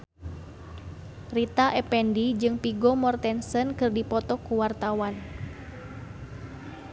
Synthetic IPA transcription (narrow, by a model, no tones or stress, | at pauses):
rit̪aʔɛpɛndid͡ʒɨŋpiɡɔmɔrt̪ɛnsənkɨrdipɔt̪ɔkuwart̪awan